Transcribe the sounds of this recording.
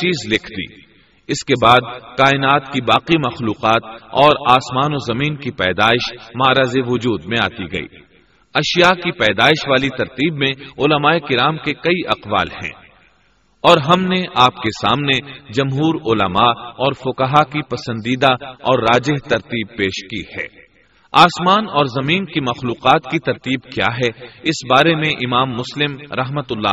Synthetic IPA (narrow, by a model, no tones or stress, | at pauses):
t͡ʃiːzlɪkʰd̪ḭː | ɪskebaːd̪kaːɪnaːt̪kibaːqimɐxluːqaːt̪ɔːɾaːsmaːnozɐmiːnkipɛːd̪aːɪʃmaːɾazeʋʊd͡ʒuːd̪mẽa̰ːt̪iɡɐ̰ḭː | ɐʃijakipɛːd̪aːɪʃʋaːlit̪ɐɾt̪iːbmẽʊləmaːekɪɾaːmkekɐiʔɐqʋa̰ːlhɛ̰̃ː | ɔːɾɦɐmneʔaːpkesa̰ːmned͡ʒɐmɦuːɾʊlɐmaɔːɾfʊkɐɦakipɐsə̃nd̪iːd̪aɔːɾːaːd͡ʒɪɦt̪ɐɾt̪iːb̚peːʃkihɛ̰ː | aːsmaːnɔːɾzɐmiːnkimɐxluːqaːt̪kit̪ɐɾt̪iːbkja̰ːɦɛɪsbaːɾemẽʔɪmaːmːʊslɪmɾɐɦmət̪ʊlːa̰